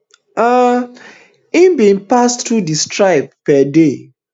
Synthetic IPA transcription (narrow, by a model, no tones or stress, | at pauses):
a | imbĩnpastːudistɹaɪp̚pɛde